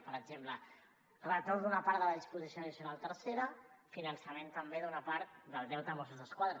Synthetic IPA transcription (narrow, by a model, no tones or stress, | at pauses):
pəɾəɡzemplə | rət̪oðunɐpaɾðələðispuzisjoðisjunalˠt̪əɾseɾəfinənsəment̪əmbeðunapaɾt̪̚ðəlˠd̪ɛlt̪əmɔsuzðəskwaðɾə